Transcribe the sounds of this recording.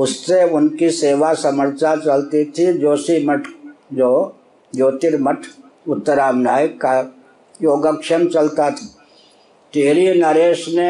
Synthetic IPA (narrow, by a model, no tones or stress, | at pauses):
ʊsːeʊnkiseːʋasɐməɾt͡ʃat͡ʃɐlt̪it̪ʰid͡ʒoːsiməʈʰd͡ʒoː | joːt̪iɾməʈʰ | ʊt̪ːəɾaːmnaːjka | joːɡəkʃəmt͡ʃɐlt̪at̪ʰḁ | t̪iɦɾinəɾeːʃne